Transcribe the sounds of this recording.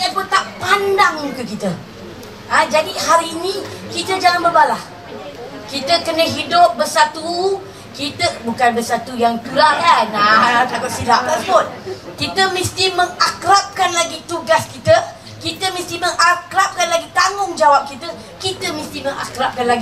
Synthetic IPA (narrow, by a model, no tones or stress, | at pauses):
əpont̪aʔpandaŋukəkit̪ə | ad͡ʒadihaɾiːnĩkit̪əd͡ʒaŋanbərbalah | kit̪əkənəɦidʊp̚bərsat̪u | kit̪əbukanbəsat̪ujaŋt̪ulaɦanat̪akʊt̪̚sidaʔ̚tapʊt̪̚kit̪əmĩst̪iməŋakɾap̚kanlaɡit̪uɡaskit̪ə | kit̪əmĩst̪iməŋakɾap̚kanlaɡit̪aŋʊŋd͡ʒawap̚kit̪ə | kit̪əmĩst̪iməŋakɾap̚kanlaɡi